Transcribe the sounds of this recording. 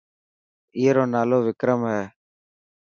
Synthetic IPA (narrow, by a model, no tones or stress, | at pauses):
iːɾoːnaːloːʋɪkɾəmɦɛː